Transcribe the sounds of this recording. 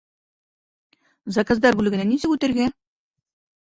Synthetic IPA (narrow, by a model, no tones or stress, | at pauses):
zɑkazd̪ɑɾbʉlɘ̆ɡɘ̆nænisɘkʉt̪ɘ̆ɾɡæ